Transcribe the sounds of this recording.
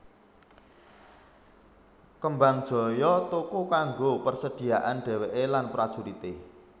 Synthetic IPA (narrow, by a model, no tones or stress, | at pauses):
kəmbaŋd̥ʒ̥ɔ̤jɔt̪ukukaŋɡopərsəd̥i̤aʔanɖ̥ɛ̤weʔelanpɾasuɾit̪e